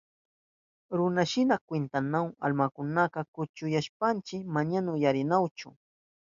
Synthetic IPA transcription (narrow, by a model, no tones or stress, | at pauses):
ɾʊnaʃɪnakwent̪anawa̰lmakʊnaqɑkʊt͡ʃʊjaʃpant͡ʃɪmaɲanʊjaɾɪnawt͡ʃʊ̰